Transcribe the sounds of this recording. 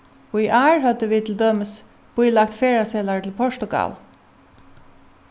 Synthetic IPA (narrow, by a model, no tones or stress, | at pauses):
oːiʔæːɹhɑd̪əʋɪːt̪ʰl̩d̪œməs | b̥ʊʏlɑk̚t̪feːɹasɛlaɹt̪ʰɪlpʰɔʂʈʊɡɑ̰l